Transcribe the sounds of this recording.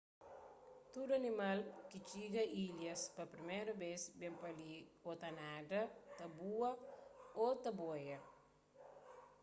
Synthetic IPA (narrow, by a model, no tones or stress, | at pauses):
t̪ud̪ɐnimalkit͡ʃiɡɐʔiljɐspɐpɾimɛɾɐbesbẽmpɐliot̪ɐnad̪ɐt̪ɐbuɐot̪ɐbojɐ